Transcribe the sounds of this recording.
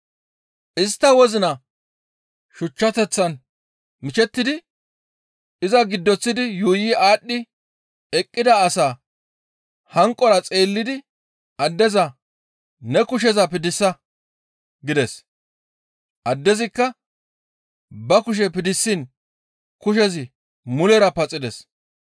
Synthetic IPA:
ɪst̪ːɐwɔzɪnɐ | ʃʊt͡ʃːɐt̪ɛt͡sːɐn | mɪt͡ʃɛt̪ːɪd̪ɪ | ɪzɐɡɪd̪ːɔt͡sːɪd̪ɪjuːjiʔaːɗːɪ | ɛkʼːɪd̪ɐːsaː | hɐŋkʼːɔɾɐt͡sʼe̞ːlːɪd̪ɪ | ɐd̪ːɛzɐ | nɛkʊʃ̬ɛzɐpɪd̪ɪsːɐ | ɡɪd̪ɛs | ʔɐd̪ːɛzɪkːɐ | bɐkʊʃ̬ɛpɪd̪ɪsːiːn | kʊʃ̬ɛzɪ | mʊlɛɾɐpɐt͡sʼɪd̪ɛs

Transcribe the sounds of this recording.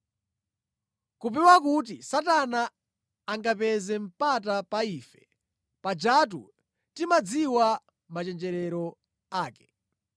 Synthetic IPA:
kupɛwakut̬isatanaː | ŋɡapɛzɛm̩pat̬apaiːfɛ̥ | pad͡ʒat̬ṵ | timad͡ziwa | mat͡ʃɛnd͡ʒɛɾɛɾɔ | aːkɛ̥

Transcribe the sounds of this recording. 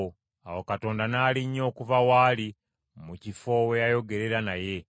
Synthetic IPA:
awokato̞ːndanaːliɲːo̞ːkuvawaːli | mucifo̞we̞jajo̞ɡe̞ɾe̞ɾanaje̞

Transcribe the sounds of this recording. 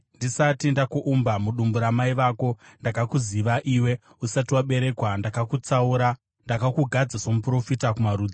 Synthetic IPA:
ndisatindakuʔumbamuɗumbuɾamaiʋaːko̞ndakakuziʋaʔiːwe̞ | usatiwaɓe̞ɾe̞ːkwandakakut͡sauɾa | ndakakuɡʱad͡zasamupro̞fitakumaruːd͡za

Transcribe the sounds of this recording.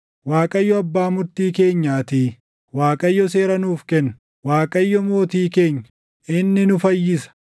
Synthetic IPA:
waːkʼɐjːɔɐbːaːmʊɾt̪iːke̞ːɲːaːt̪iː | waːkʼɐjːɔse̞ːɾɐnuːfkɛnː | waːkʼɐjːɔmo̞ːt̪iːke̞ːɲːɐ̥ | ɪnːɪnʊfɐjːɪsɐ̥

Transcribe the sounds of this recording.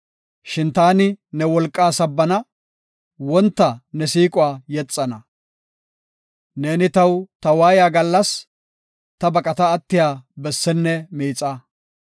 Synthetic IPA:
ʃɪnt̪aːnɪnɛwɔlkʼːaːsɐbːɐnɐ | wɔnt̪ːɐnɛsiːkʼʊwaːjɛt͡sʼːɐnɐ | ne̞ːnɪt̪ɐwt̪ɐwaːjaːɡɐlːɐs | t̪ɐbɐkʼɐt̪ɐːt̪ːɪjaːbɛsːɛnːɛmiːt͡sʼːɐ

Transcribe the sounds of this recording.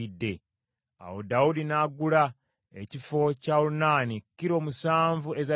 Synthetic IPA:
idːe̞ | a̰wodaudinaɡula | ecifo̞caulunaːnikːiɾo̞ːmusaːɱvue̞za

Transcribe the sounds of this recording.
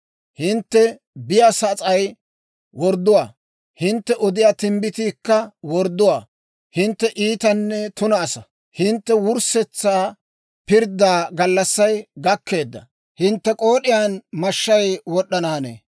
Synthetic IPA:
hɪnt̪ːɛ | bɪjaːsɐt͡sʼɐj | wɔɾd̪ːʊwaː | hɪnt̪ːɛʔɔd̪ɪjaːt̪ɪmbɪt̪iːkːɐwɔɾd̪ːʊwaː | hɪnt̪ːɛʔiːt̪ɐnːɛt̪ʊnɐːsɐ | hɪnt̪ːɛwʊɾsɛt͡sːaː | pɪɾd̪aːɡɐlːɐsːɐjɡɐkːe̞ːd̪ːɐ̰ | hɪnt̪ːɛkʼo̞ːɗɪjaːnmɐʃːɐjwɔɗɐnaːnḛː

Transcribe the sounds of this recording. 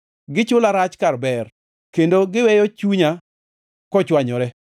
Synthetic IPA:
ɡɪt͡ʃʊlaɾat͡ʃkarbɛr | kendoɡɪwɛjɔt͡ʃuɲa | kɔt͡ʃwaɲɔɾɛ

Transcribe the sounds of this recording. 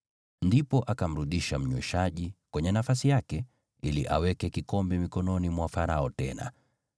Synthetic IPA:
ndipɔʔakam̩ɾuɗiʃam̩ɲwɛ̰ʃaʄikwɛɲɛnafasijakɛ | iliʔa̰wɛkɛkikɔmbɛmikɔnɔnimwafaɾaɔtɛ̰na̰

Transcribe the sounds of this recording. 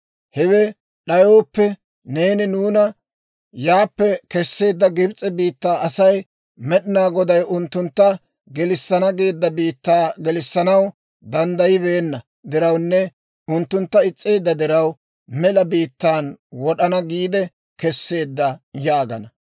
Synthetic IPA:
hɛwɛ | ɗɐjo̞ːpːɛ | ne̞ːnɪnuːnɐ | jaːpːɛkɛsːe̞ːd̪ːɐɡɪbt͡sʼɛbiːt̪ːaːɐsɐj | mɛɗɪnaːɡɔd̪ɐjʊnt̪ːʊnt̪ːɐ | ɡɛlɪsːɐnɐɡe̞ːd̪ːɐbiːt̪ːaːɡɛlɪsːɐnɐw | d̪ɐnd̪ɐjɪbe̞ːnːɐ | d̪ɪɾɐwnːɛ | ʊnt̪ːʊnt̪ːɐɪt͡sʼːe̞ːd̪ːɐd̪ɪɾɐw | mɛlɐbiːt̪ːaːnwɔɗɐnɐɡiːd̪ɛ | kɛsːe̞ːd̪ːɐjaːɡɐ̰nɐ

